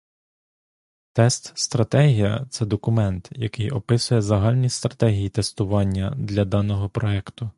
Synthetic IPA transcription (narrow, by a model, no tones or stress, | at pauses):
t̪ɛst̪st̪ɾɐt̪ɛɦʲijɐ̰t̪sɛd̪ɔkʊmɛnt̪jɐkɪjɔpɪsʊjɛzɐɦɑlʲnʲist̪ɾɐt̪ɛɦʲijit̪e̞st̪ʊʋɑnʲːɐd̪lʲɐd̪ɑnɔɦɔpɾɔɛkt̪ʊ